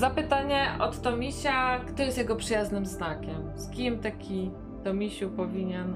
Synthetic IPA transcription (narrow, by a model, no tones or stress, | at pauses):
zapɘt̪aɲɛʔɔt̪ːɔmʲiɕakt̪ɔjɛst̪jɛɡɔpʂɘjaznɘmznakʲɛmskʲimt̪akʲi | t̪ɔmʲiɕupɔvʲiɲɛn